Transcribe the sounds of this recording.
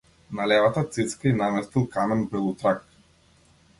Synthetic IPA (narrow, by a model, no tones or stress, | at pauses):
nalɛvat̪at̪sit̪skainamɛst̪ilˠkamɛnbɛlˠut̪ɾak